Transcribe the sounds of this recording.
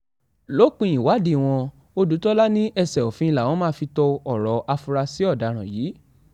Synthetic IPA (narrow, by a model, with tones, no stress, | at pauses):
lo˨˦k͡pĩ˧ĩ˨wa˨˦di˧˨w̃ɔ̃˧ | o˦du˨˦tɔ˦la˦nĩ˦ʔɛ˧sɛ˨o˨fĩ˧˦i˧la˨w̃ɔ̃˨˦mãː˦˧fi˧tɔ˧ɔ˨ɾɔ˨˦ʔa˧fu˧ɾa˧si˨˦ɔ˦˨da˨˧ɾ̃ã˨jiː˨˦